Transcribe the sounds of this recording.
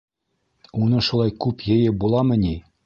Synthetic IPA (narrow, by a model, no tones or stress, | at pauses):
unɤ̆ʃulˠɑjkʉpjɘ̆jɘ̆bulˠɑmɘ̆nʲi